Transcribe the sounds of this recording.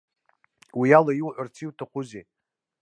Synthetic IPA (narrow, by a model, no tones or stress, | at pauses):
wijalajiwʕʷart͡sʰiwtʰaχʰʷʊze